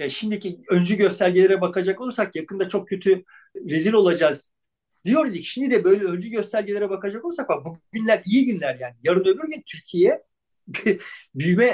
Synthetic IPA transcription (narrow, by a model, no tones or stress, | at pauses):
jaʃimd̪icʰiø̞nd͡ʒyɟø̞st̪ælʲɟilʲeɾɛbakad͡ʒako̞lˠsakjakɯnd̪at͡ʃʰo̞k̚cʰːø̞t̪ʰy | ɾeziɾʲo̞lˠad͡ʒaz̥ | d̪ijo̞ɾilʲˠicʃimd̪id̪ɛbø̞jlʲɛø̞nd͡ʒyɟø̞st̪ʰælʲɟilʲeɾɛbakad͡ʒako̞lˠs̬akbuɟynlʲæɾijiɟynlʲæɾjaːnijaɾɯnø̞lʲyɾɟynt̪ʰyɾcʰijɛ | bbyjmɛ